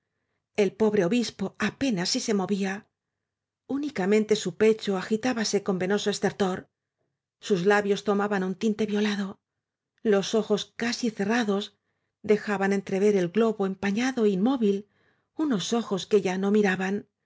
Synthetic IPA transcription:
e̞lpo̞βɾe̞o̞βispo̞ape̞nasːise̞mo̞βia | unikamẽ̞nt̪e̞supe̞t͡ʃo̞axit̪aβase̞ko̞mbe̞no̞soe̞st̪e̞ɾt̪o̞ɾ | suzlaβjo̞st̪o̞maβanunt̪int̪e̞βjo̞laðo̞ | lo̞so̞xo̞skasiθe̞raðo̞z | d̪e̞xaβane̞nt̪ɾe̞βe̞ɾe̞lɡlo̞βo̞e̞mpaɲaðo̞inmo̞βil | uno̞so̞xo̞ske̞ʝano̞miɾaβan

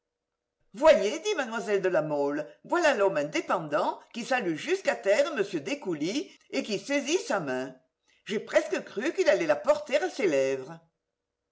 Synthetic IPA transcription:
vwajed̪imanmwazɛld̪əlamɔləvwalalɔmɛ̃d̪epɑ̃d̪ɑ̃kisalyʒyskat̪ɛʁəməsjød̪ekuli | ekisezisamɛ̃ | ʒepχɛskəkʁykilalɛlapɔʁt̪eʁaselɛvʁə

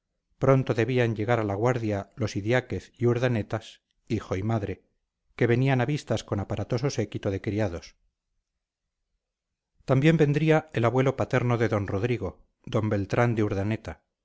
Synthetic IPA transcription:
pɾo̞nt̪o̞ðe̞β̞iaɲɟe̞ɣaɾalaɣwaɾðjalo̞siðjake̞θiuɾðane̞t̪as | ixo̞imaðɾe̞ | ke̞βe̞nianaβist̪asko̞napaɾat̪o̞so̞se̞kit̪oðe̞kɾiaðo̞s | t̪ambje̞mbe̞nd̪ɾiae̞laβwe̞lo̞pat̪eɾno̞ðe̞ðo̞nro̞ðɾiɣo̞ | d̪o̞mbe̞lt̪ɾand̪euɾðane̞t̪a

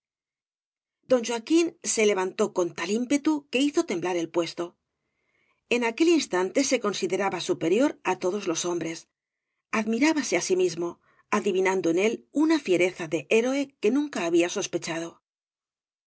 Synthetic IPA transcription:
d̪o̞nʲʒwakinse̞le̞βant̪o̞ko̞nt̪alimpe̞t̪uke̞iθo̞t̪e̞mblaɾe̞lpwe̞st̪o̞ | e̞nake̞linst̪ant̪e̞se̞ko̞nsiðe̞ɾaβasupe̞ɾjo̞ɾat̪o̞ðo̞zlo̞so̞mbɾe̞s | aðmiɾaβase̞asimizmo̞ | aðiβinand̪oene̞lunafje̞ɾe̞θaðe̞ʔeɾo̞e̞ke̞nũŋkaːβ̞iaso̞spe̞t͡ʃað̞o̞

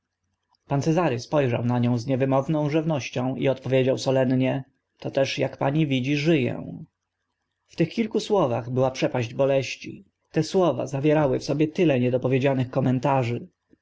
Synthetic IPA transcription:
pant̪sɛzaɾɘspɔjʐa̰wnaɲɔ̃w̃zɲɛvɘmɔvnɔ̃w̃ʐɘvnɔɕt͡ɕɔ̃w̃ḭɔt̪pɔvʲjed͡ʑawsɔlɛnɲɛ | t̪ɔt̪ɛʂjakpaɲivʲid͡ʑiʐɘjɛ̰ | ft̪ɘxkʲilkuswɔvaɣbɘwapʂɛpaʑd͡ʑbɔlɛɕt͡ɕḭ | t̪ɛswɔva̰zavʲjɛɾawɘfsɔbʲjɛt̪ɘlɛɲɛd̪ɔpɔvʲjed͡ʑanɘxkɔmɛnt̪aʐɘ

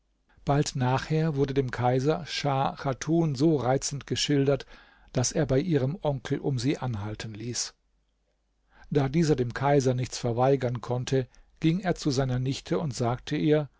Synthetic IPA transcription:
b̥altnaːχheːɐvʊɐdədeːmkʰaɪzɐʃaʁatʰuːnzoːʁaɪt͡sn̩tɡ̥əʃɪldɐt | d̥aseːɐbaɪʔiːʁ̞əmʔɔŋkl̩ʔʊ̰mziːʔanɦaltʰən̩liːs | d̥aːdiːzɐdeːmkʰaɪzɐnɪçt͡sfɛɐvaɪɡɐnkʰɔntʰəɡ̥ɪŋeːɐt͡suzaɪnɐnɪçtʰəʊntz̥aːk̚tʰəʔiːɐ

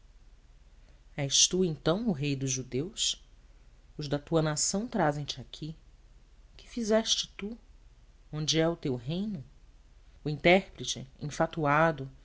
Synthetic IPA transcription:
ɛʃt̪uẽnt̪ɐ̃w̃ʊɦejd̪ʊzʒud̪ews | ʊzd̪ɐt̪uɐnasɐ̃w̃t̪ɾazẽj̃t͡ʃɪakʲʰi | kɪ̥fizɛʃt͡ʃɪ̥t̪u | õnd͡ʒɪɛʊt̪ewɦẽjnʊ | ʊĩnt̪ɛhpɾɪt͡ʃɪ̰ḛ̃fat̪uad̪ʊ

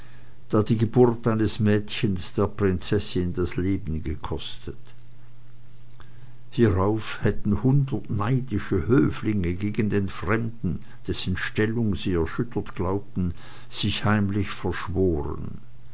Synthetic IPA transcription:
d̥aːdiːɡəbʊɐtaɪnəsmɛːtçənsd̥eːɐpʁ̥ɪnt͡sɛsɪndasleːbn̩ɡəkʰɔstʰət | hiʁaʊfhɛtn̩hʊndɐtnaɪdɪʃəhøːflɪŋəɡeːɡən̩deːnfʁ̥ɛmdn̩ | d̥ɛsn̩ʃtɛlʊŋziːɛɐʃʏtʰɐtɡ̥laʊp̚tn̩ | z̥ɪçhaɪmlɪçfɛɐʃv̥oːʁə̰n

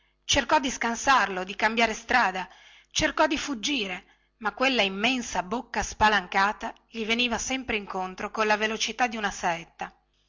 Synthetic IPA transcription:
t͡ʃerkɔd̪ːiskansarlod̪ikambjaːɾest̪ɾaːd̪a | t͡ʃerkɔd̪ifud͡ʒːiːɾe | makːwelːaimːɛnsabokːaspalaŋkaːt̪a | ʎiveniːvasɛmpɾeiŋkont̪ɾokonlavelot͡ʃit̪ad̪ːiunasaɛt̪ːa

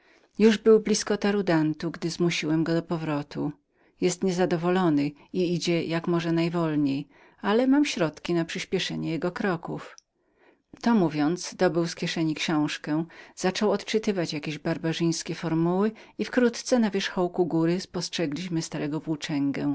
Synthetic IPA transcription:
juʐbɘwblʲiskɔt̪aɾud̪ant̪uɡd̪ɘzmuɕiwɛmɡɔd̪ɔpɔvɾɔt̪ʰu | jɛst̪ɲɛzad̪ɔvɔlɔnɘiid͡ʑɛjakmɔʐɛnajvɔlɲej | alɛmamɕɾɔt̪kʲinapʂɘɕpʲjɛʂɛɲɛjɛɡɔkɾɔkuf | t̪ɔmuvʲjɔnt̪sd̪ɔbɘwskʲɛʂɛɲikɕɔ̃w̃ʂkɛz̥at͡ʂɔwɔt̪t͡ʂɘt̪ɘvat͡ɕjakʲeʑbaɾbaʐɘj̃skʲɛfɔɾmuwɘ | ifkɾut̪t̪sɛnavʲjɛʂxɔwkuɡuɾɘspɔstʂɛɡlʲiɕmɘst̪aɾɛɡɔpuwt͡ʂɛŋɡɛ̃

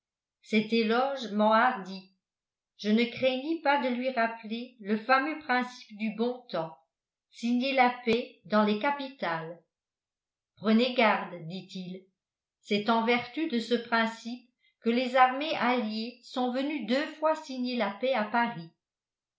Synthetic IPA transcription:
sɛt̪elɔʒmɑ̃aʁd̪i | ʒ̥ənəkχeɲipad̪əlɥiʁapleləfamøpχɛ̃si̥pd̪ybɔ̃t̪ɑ̃ | siɲelapɛd̪ɑ̃lekapit̪al | pχəneɡaʁd̪d̪it̪il | sɛt̪ɑ̃vɛʁt̪yd̪əsəpχɛ̃sip̚ | kəlezaʁmeʔaljesɔ̃vənyd̪øfwasiɲelapɛapaʁi

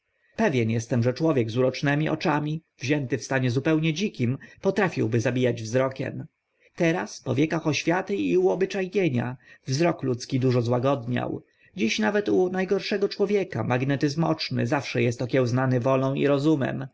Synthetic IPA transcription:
pɛvʲjɛnjɛst̪ɛmʐɛt͡ʂwɔvʲjɛɡzuɾɔt͡ʂnɛmʲiʔɔ̰t͡ʂamʲivʑɛnt̪ɘfst̪aɲɛzupɛwɲɛd͡ʑikʲimpɔt̪ɾafʲḭwbɘzabʲijad͡ʑvzɾɔkʲɛ̰m | t̪ɛɾaspɔvʲjɛkaxɔɕfʲjat̪ɘiuɔbɘt͡ʂajɲeɲa̰vzɾɔklut̪skʲid̪uʐɔzwaɡɔd̪ɲa̰w | d͡ʑiɕnavɛt̪unajɡɔɾʂɛɡɔt͡ʂwɔvʲjɛka̰maɡnɛt̪ɘzmɔ̰t͡ʂnɘ̰zafʂɛjɛst̪ɔkʲɛwznanɘvɔlɔ̃w̃ḭɾɔzumɛ̰m

